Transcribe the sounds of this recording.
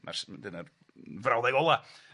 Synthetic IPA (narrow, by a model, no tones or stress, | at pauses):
ma̰rsdənə | vrawðɛɡɔlˠa